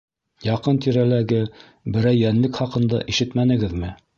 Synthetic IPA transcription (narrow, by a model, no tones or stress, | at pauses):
jɑqɤnt̪iɾælæɡɘ | bɘ̆ɾæjːænlɘkχɑqɤ̆nd̪ɑ̰ʔiʃɘt̪mænɘ̆ɡɘðmɘ